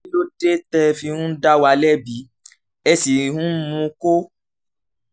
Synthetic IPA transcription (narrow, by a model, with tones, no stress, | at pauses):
lo˦de˦tɛ˧fi˧hũ˦da˦wa˧lɛ˦˨bi˨˦ | ɛ˧si˨hũ˦mũ˧ko˦